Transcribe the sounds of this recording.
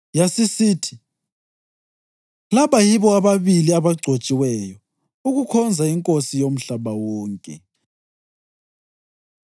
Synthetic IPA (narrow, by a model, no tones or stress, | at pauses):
jasisiːtʰi̥ | laβajiβɔaβaβiliaβaɡ͡ǀʱot͡ʃʼiwɛjɔ | uɣukʰɔnd͡zʱaiŋkʼosijom̩ɬaβawɔːŋkʼɛ